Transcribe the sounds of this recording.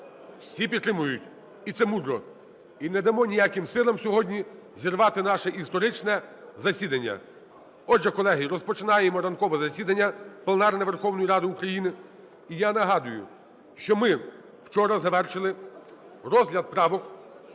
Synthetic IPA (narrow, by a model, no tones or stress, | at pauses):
wsʲipʲid̪t̪ːɾɪmʊjʊtʲ | it̪sɛmud̪ɾɔ̰ | inɛd̪ɐmɔnʲijakɪmsɪlˠɐmsʲɔɦɔdʲnʲizʲirʋɑt̪ɪnɑʃɛʔist̪ɔɾɪt͡ʃnɛzɐsʲid̪ɐnʲːɐ̰ | ɔdʒɛkɔlˠɛɦiɾɔspɔt͡ʃɪnɑjemɔɾɐnkɔʋɛzɐsʲid̪ɐnʲːɐplʲˠenɑrnɛʋerxɔwnɔjiɾɑd̪ɪukɾɐjinɪ | ijanɐɦɑd̪ʊjʊ | ʃt͡ʃɔmɪ | w̥t͡ʃɔɾɐzɐʋɛrʃɪlˠɪ | rɔzʲɦlʲɐd̪̚pɾɑʋɔk